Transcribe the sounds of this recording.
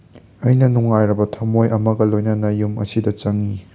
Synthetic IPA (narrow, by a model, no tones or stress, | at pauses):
ɐjnɐnuŋajɾɐbɐtʰɐmojʔɐmɐɡɐlojnɐnɐjumɐ̰sidɐt͡ʃɐŋi